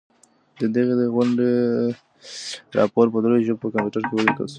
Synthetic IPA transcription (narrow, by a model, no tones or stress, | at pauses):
d̪əd̪əɣed̪əɣwaɳɖe | ɾɑ̰poɾpəd̪ɾojʒəbpəkampjuʈaɾkewəlikə̰lsu̥